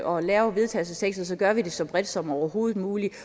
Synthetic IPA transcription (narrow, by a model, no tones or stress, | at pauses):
ɒ̽lɛːʊʋe̝ð̞ˠt͡sʰɛ̰ːsəsʰeɡ̥sð̩ˠsɒ̽ɡ̥ɶɐʋid̥e̝sɒ̽b̥ʁɛd̥sɒ̽mɒʊɐɦo̝ːð̩ˠmuːli